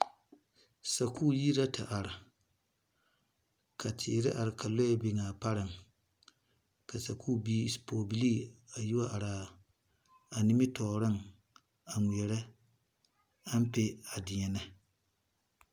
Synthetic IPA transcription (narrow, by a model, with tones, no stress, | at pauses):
sa˨kuː˦ji˦ɾa˦ta˨ʔa˨ɾɪ˨ | ka˨tʰɪ̰˨ɾɪ˦ʔa˨ɾɪ˨ka˨lo˦ɛ˦bɪ˦ŋaː˨pa˦ɾɨ˨ŋ | ka˨sa˨kʰuː˦˨biː˦spoː˨bi˦liː˦a˨ji˦wa˦ʔa˨ɾa˨ | a˨nɪ˦mɪ˦tɔː˨ɾɨ˦ŋ | a˨ŋʷi˨ɛ˨ɾɪ˦ | a˦m˦pe˦a˨dɪ˨ɲɛ˨na˦